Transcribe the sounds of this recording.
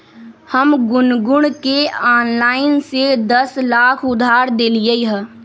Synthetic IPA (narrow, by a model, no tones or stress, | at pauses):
həmɡʊnɡʊɳ̃keaːnlaːɪnsed̪əslaːkʰʊd̪ʱaːɾd̪eːlijeɦə